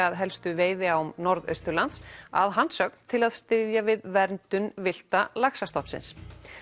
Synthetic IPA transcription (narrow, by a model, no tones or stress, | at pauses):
aðɦɛlst̪ʏveːjðɪamnɔɾðœ̰ɥst̪ʏɾlant̪sa̰ðɦansœkn̥t̪ʰɪlaðst̪ɪðjavɪðvɛɾnt̪ʏnvɪl̥t̪alaksast̪ɔhpsɪ̰ns